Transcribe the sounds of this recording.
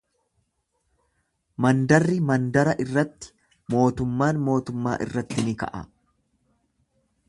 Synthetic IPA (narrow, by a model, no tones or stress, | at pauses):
mɐnd̪ɐrːɪmɐnd̪ɐɾɐʔɪrːɐt̪ːɪ̥ | mo̞ːt̪ʊmːaːnmo̞ːt̪ʊmːa̰ːʔɪ̰rːɐt̪ːɪnɪkɐ̰ʔɐ̰